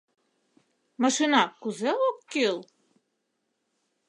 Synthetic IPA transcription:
mɑʃinɑkuzeokːilˠ

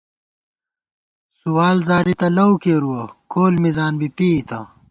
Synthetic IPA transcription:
suwaːlzaːɾit̪ɐlɐwkeːɾuwɐkoːlmizaːnbipiit̪ɐ

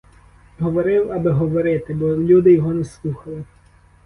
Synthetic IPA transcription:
ɦɔʋɔɾɪwɐbɪɦɔʋɔɾɪt̪ɪbɔlʲud̪ɪjɔɦɔnɛslˠuxɐlˠɪ

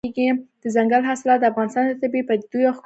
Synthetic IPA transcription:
eɡid̪̥əzaŋɡalɦasɪlɑt̪̚d̪əafɣɑnɪst̪ɑnd̪ət̪abipəd̪ujoxk

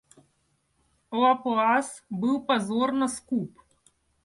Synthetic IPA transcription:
ɔapɔasbɨwpazoɾnaskup

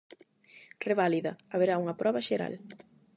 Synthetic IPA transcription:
reβaliðɐaβeɾauŋɐpɾɔβɐʃeɾa̰l

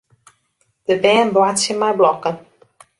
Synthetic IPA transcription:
d̥əbɛːnbwatsjəmɛjblɔkən

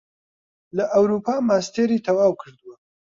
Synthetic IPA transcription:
lɐʔɐwɾuːpʰaːmaːst̪ʰeɾiːt̪ʰɐwaːwkʰɨɾd̪ɨwɐ

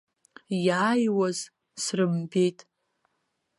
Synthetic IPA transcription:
jaːjwaz | srɨmbejtʼ

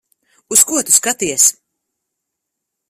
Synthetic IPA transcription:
uskuɔt̪u̥skat̪iɛs

